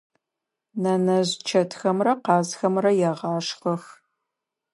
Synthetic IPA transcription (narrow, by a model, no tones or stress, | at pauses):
nɐnɐʑt͡ʃʰɐtʰxɐmrɐqɑːzxɐmrɐjɛʁɑːʂχɐx